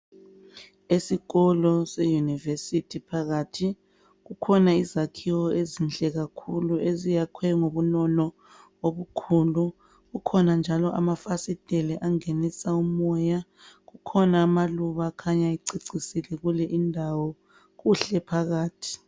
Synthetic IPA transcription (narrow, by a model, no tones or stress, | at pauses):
esiɣɔlɔsejunivesitʰipʰaɣatʰi | ɣukʰɔnaizakʰiwɔezind͡ɮʼɛɣakʰuluezijakʰwɛŋoβunɔnɔ | oβukʰuːlu | ɣukʰɔnand͡ʒʱalɔʔa̰mafasid̥ʼʱɛlɛʔaŋenisaumɔja | ɣukʰɔnaːmaluβakʰaɲaiǀiǀisilɛɣulɛʔindʱawɔ | ɣuɬɛpʰaɣaːtʰi̥